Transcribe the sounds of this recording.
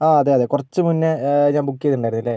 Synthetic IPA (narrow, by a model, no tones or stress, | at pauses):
aːɐðeːɐðeːkurɐt͡ɕːɨmunːɨɲaːnbukːijɐðuɳɖaːjɾunːilːe